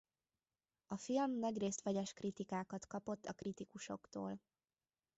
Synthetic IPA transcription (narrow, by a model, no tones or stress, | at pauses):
ɒfilmnɒɟreːst̪ʋɛɟɛʃkrit̪ikaːkɒt̪kɒpo̞t̪ːɒkrit̪ikuʃo̞̰kt̪o̰ːl